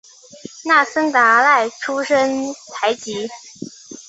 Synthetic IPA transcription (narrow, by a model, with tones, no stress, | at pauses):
na˥˩sə˥ŋt̪a˧˥la˥˩ɪʈ͡ʂʰu˥ʂə˥ŋt̪ʰa˧˥ɪt͡ɕi˧˥